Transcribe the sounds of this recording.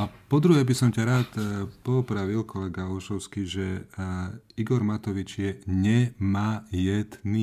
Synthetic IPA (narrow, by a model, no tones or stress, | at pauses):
apɔd̪ɾuɦɛbisɔmcaɾaːt̪pɔupɾaʋilkʰɔlɛɡaɔʃɔʊskiʒɛ | iɡɔɾmat̪ɔʋit͡ʃjɛɲɛmaːjɛd̪ni